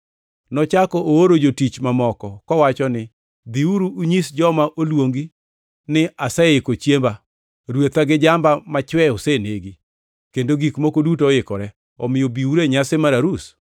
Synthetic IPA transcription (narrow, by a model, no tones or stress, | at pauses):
nɔt͡ʃakɔʔooɾod͡ʒotit͡ʃmamɔkɔkɔwat͡ʃɔnɪ | d̪iuɾuːɲisd͡ʒɔmaʔolwoŋɡi | nɪasɛɪkot͡ʃjemba | ɾwet̪aɡɪd͡ʒambamat͡ʃwɛoseneɡi | kendoɡikmokodutoɪkɔɾɛ | ɔmɪjobiuɾeɲasemaɾaɾus